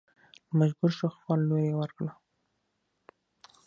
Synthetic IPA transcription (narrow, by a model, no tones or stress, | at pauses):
əmaʒɡuɾʃoxfɑlːojewəɾkɽa